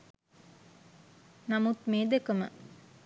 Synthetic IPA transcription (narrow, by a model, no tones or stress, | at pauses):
nɐmut̪meːd̪ekɐmə̰